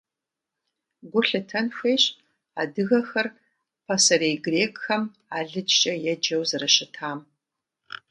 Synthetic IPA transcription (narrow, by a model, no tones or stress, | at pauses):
ɡʷʊɬɨtʰɐnfʷeːɕ | a̰ːdɨɣɐxɐr | pʰɐsɐɾeːjɡreːkʼxɐm | aːɮɨd͡ʒt͡ʃʼɐjɛd͡ʒɐwzɨrɨʃɪtʰaːm